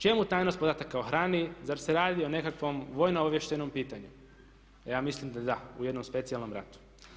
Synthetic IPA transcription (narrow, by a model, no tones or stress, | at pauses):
t͡ʃe̞mut̪aːjnot̪pod̪aːt̪akːaoxɾaːnizaɾseɾaːd̪io̞ne̞kakʋo̞mʋo̞ːjnooʋjeʃt̪enompiːt̪aɲu | jaːmislimd̪ad̪aṵje̞d̪nomspe̞t̪sialno̞mɾa̰t̪u̥